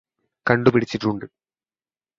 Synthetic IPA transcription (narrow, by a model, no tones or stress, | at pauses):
kɐɳɖupiɽit͡ɕːiʈːuɳɖɨ